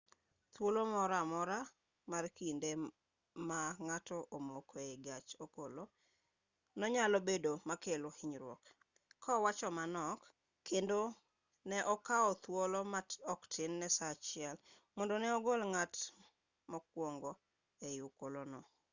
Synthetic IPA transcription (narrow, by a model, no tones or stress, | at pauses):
t̪wolomɔɾamɔɾa | markinde | maŋatɔʔomokoeɡat͡ʃokolo | nɔɲalobedomakelohiɲɾwɔ̰kʰː | ɔwat͡ʃɔmanɔkːʰ | endo | nɛʔɔkaɔt̪wolɔmatɔktʰɪnːɛsat͡ʃɪɛl | mɔndonɛɔɡolŋat | mɔkwoŋɡɔ | ejukolonɔ